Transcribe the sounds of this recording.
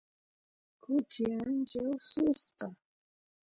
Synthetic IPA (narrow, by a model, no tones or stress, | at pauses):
kʊt͡ʃɪant͡ʃawsʊsqɑ